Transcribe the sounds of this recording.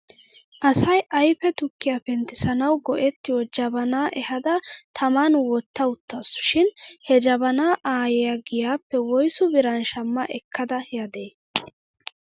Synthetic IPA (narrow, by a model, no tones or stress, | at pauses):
ʔɐsɐjʔɐjfɛt̪ʊkːɪjapɛnt̪ɪsɐnɐwɡɔʔɛt̪ːɪjɔd͡ʒɐbɐnaːʔɛhɐd̪ɐt̪ʰɐmanwɔt̪ːɐʊt̪ːɐsʊ̥ʃɪnhɛd͡ʒɐbɐnaːʔaːjɛjɐɡɪjaːpːɛwɔjsʊbɪɾɐnʃɐmːɐʔɛkʰːɐd̪ɐhjɐd̪eː